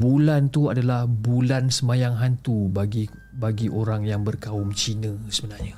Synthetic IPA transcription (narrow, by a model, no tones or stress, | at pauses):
bulant̪uadalahbulansəmajaŋɦant̪ubaɡi | baɡiʔoɾaŋjaŋbərkaʊmt͡ʃinə̃səbənarɲa